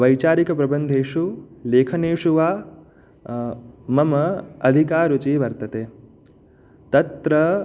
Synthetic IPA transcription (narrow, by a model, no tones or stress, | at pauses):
ʋɐjt͡ʃaːɾikɐpɾɐbɐnd̪ʱeːʂuleːkʰɐneːʂuʋaː | mɐmɐɐd̪ʱikaːɾut͡ʃiʋɐɾt̪ɐt̪eː | t̪ɐt̪ɾɐ